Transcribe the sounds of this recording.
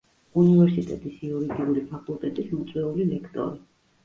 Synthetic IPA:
univɛɾsit̪ʼɛt̪ʼisiɔɾiɡ̪iulipʰakʼulˠt̪ʼɛt̪ʼismɔt̪sʼwɛulivɛkʰt̪ʼɔ̰ɾi

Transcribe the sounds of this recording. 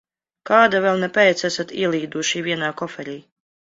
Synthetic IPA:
kaːd̪avɛlˠnɛpɛːt̪sæsat̪ḭɛlˠiːd̪uʃivʲiɛnaːkɔfɛɾiː

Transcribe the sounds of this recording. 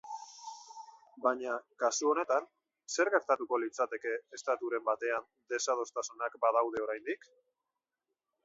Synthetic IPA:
baɲakasuo̞ne̞t̪an | se̞ɾɣe̞ɾt̪at̪uko̞lit͡sat̪e̞ke̞ːst̪at̪uɾe̞mbat̪e̞and̪e̞sað̞o̞st̪asunakbað̞awð̞e̞o̞ɾajnd̪ik

